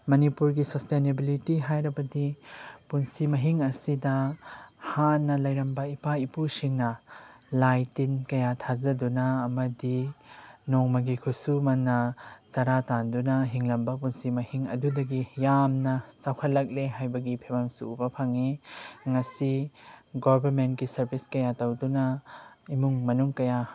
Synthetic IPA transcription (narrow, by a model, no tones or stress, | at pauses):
mɐnipuɾɡisɐstenebilitiɦajɾɐbɐdipunsimɐɦiŋɐsidɐ | hanːɐlɐjɾɐmbɐipaipusiŋnɐlajtinkɐjatʰazɐdunɐːmɐdi | noŋmɐɡikʰusumɐnːɐt͡ʃɐɾatandunɐɦiŋlɐmbɐpunsimɐhiŋɐ̰dudɐɡijamnɐt͡ʃawkʰɐt̚lɐk̚leɦajbɐɡipʰebɐmsṵːbɐpʰaŋiŋɐsiɡoɾbɐɾment̚kisɐɾbʰʱiskɐjatɐwdunɐimuŋmɐnuŋkɐja